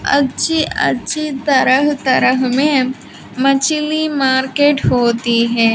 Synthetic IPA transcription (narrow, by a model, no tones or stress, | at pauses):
ɐ̰tːʃʰiʔɐ̰tːʃʰit̪ɐɾəɦt̪ɐɾəɦmẽ | mɐt͡ʃlimaːɾkeːʈɦoːt̪iɦɛː